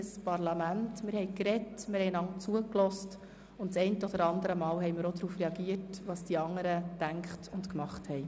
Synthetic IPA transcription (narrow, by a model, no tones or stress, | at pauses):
spɑɾlɑmæntmɪɾhɛɪkɾɛtmɪɾhɛɪnɑŋt͡suəklɔst | ʊntt͡sɛɪntəɔd̥̪əɾɑnd̪əɾəmɑːwɦɛjmɪɾod̪ɾuːfɾɛɑɡiətʋɑːsd̥iɑŋːəɾətæŋkχtʊntkmɑχthɛj